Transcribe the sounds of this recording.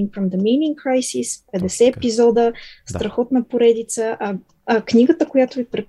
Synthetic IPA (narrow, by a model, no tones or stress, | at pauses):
ŋfɾɔmd̪əminĩŋkɾajsispɛd̪ɛsɛːpizɔd̪əst̪ɾɐxɔt̪nɐpoɾɛd̪it̪səʔɐ | ɐknʲiɡət̪əkojat̪ʊvipɾɛ